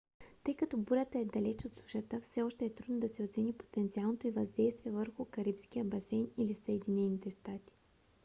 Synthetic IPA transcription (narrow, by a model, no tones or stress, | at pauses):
t̪ɤjkɐt̪ɔbuɾʲət̪əɛd̪ɐlɛt͡ʃot̪suʃət̪əfsɛɔʃt̪ɛːt̪ɾud̪nod̪ɐsɛot̪sɛnipo̥t̪ɛnt̪sialˠnot̪oivɐzd̪ɛjst̪viɛvəɾxʊkɐɾipskiəbɐsɛjnilisəɛd̪inɛnit̪ɛʃt̪at̪i̥